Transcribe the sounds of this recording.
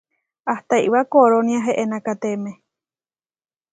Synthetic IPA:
aht̪ajβakoɾoniaɦeʔenãkat̪emẽ

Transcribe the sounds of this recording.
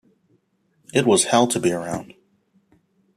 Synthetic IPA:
ɨt̚wʌz̥hɛlˠtʰɨbiə˞ãʊ̃nd̥

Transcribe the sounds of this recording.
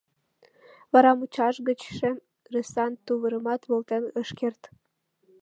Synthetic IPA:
βɑɾɑmut͡ɕɑʃɡət͡ɕʃĕ | resɑnt̪uβəɾəmɑt̪βolt̪enəʃkert̪

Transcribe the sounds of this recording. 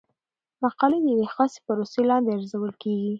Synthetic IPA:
maqɑled̪əjwexɑse̥paɾoselɑnd̪eaɾzawəlkeɡi

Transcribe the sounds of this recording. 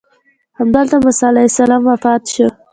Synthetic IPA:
hamd̪əlt̪amasɑlasalɑmwafɑt̪ʃə

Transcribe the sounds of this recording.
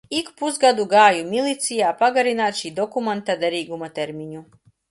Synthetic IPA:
ikpuzɡad̪uɡaːjumʲilʲˠit̪sijaːpaɡaɾinaːt̪ʃiːd̪ɔkumant̪ad̪ɛɾiːɡumat̪ɛɾmʲiɲu

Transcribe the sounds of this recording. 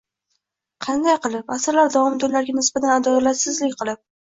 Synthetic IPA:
qʰɑnd̪ajqɨlˠɪpasɪɾlaɾd̪ɒɒmd̪onlaɾɡʲanɪsbat̪ʰanad̪ɒlat̪sɪzlɪkʲqʰɨlˠɪp̚

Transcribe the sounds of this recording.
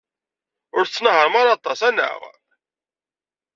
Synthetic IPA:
ʊɾt͡sːnəɦəɾˤmaɾˤɑt̪ˤɑsænːə̰ʁ

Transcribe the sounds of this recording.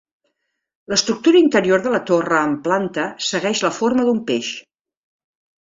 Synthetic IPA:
ləst̪ɾuk̚t̪uɾəint̪əɾioɾðələt̪orəːmplant̪əsəɣɛʃləfoɾməðumpeʃ

